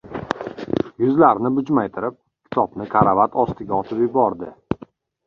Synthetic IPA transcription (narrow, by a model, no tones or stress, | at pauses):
jʊzlaɾnɪbʊd͡ʒmajt̪ʰɪɾɪp̚ | kʲʰɪ̥t̪ʰɒbnɪkʰaɾavat̪ʰɒst̪ɪɡʲaɒt̪ʰɪpjɪbɒɾd̪ɪ